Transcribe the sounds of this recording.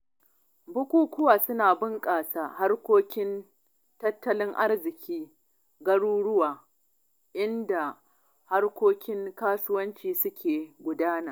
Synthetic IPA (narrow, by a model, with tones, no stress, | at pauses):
bʊ˦kʷuː˦kʷʊ˦waː˨sʊ˦naː˨bɪ˦ŋkʼaː˨saː˨ha˦rkʷoː˦kʲɪ˦n | tɐ˦tːɐ˦lɪ˦ŋʔa˦rzɪ˨kʲiː˦ | ɡɐ˦ɽuː˦ɽʊ˦waː˨ | ʔɪ˦nda˨ | ha˦rkʷoː˦kʲɪ˦ŋkaː˦sʊ˦wɐ˦nt͡ʃiː˨sʊ˦kʲʰeː˨ɡʷʊ˨daː˦naː˨